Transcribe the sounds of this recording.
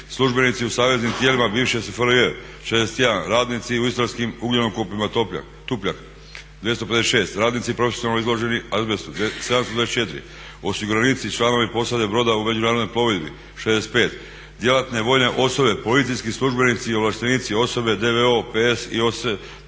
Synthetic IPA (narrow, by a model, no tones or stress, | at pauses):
slˠuʒbe̞nit̪siusaːʋe̞znimt̪jelimabiːʋʃesfəle | ʃed̪ese̥t̪je̞d̪anɾaːd̪nit̪siuist̪ɾaskimuɡʎenomkupimat̪o̞pʎa̰n | t̪upʎʲa̰n | d̪ʋje̞st̪o̞peeseʃe̞ːst̪ɾaːd̪nit̪sipɾo̞fesijonalnoizlˠo̞ʒe̞niazbesud̪sed̪amst̪od̪vaest͡ʃe̞t̪ɾḭ | o̞siɡuɾanit̪sit͡ʃlˠano̞ʋipo̞sad̪ebɾo̞d̪aume̞d͡ʑunaːɾod̪nojplo̞ʋed̪bḭ | ʃed̪eset̪pe̞ːt̪ | d̪je̞lat̪ne̞ʋo̞jne̞ʔo̞so̞be̞po̞lit̪sijskislˠuʒbe̞nit̪siio̞ʋlˠaʃt̪eniːt̪sio̞so̞be̞d̪e̞ʋeo̞peesḭos